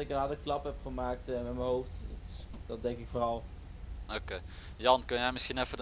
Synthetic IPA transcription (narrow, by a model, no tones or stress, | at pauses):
ɪkənɦɑdəklɑpɦɛpχəmaːk̚təmɛtməɦowfttd̥ɑt̚dɛŋkɪkfoːrɑlˠ | okej | jɑnkɵnjɛjmɪsχinɛfə